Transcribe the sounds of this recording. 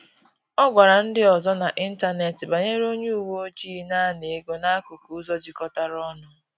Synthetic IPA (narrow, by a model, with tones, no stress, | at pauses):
ɔ˦ɡʷa˨ɾa˨n̩˦dɪ˦ɔ˨zɔ˦na˨ʔi˦n̩˦ta˦ne˨tɪ˨ba˨ɲe˦ɾo˦ɲu˦˨wo˦o˦t͡ʃiː˦na˦ne˨e˦ɡo˦na˦kʊ˨ku˨˦zɔ˦d͡ʒi˨kɔ˦ta˦ɾɔ˦nʊ˦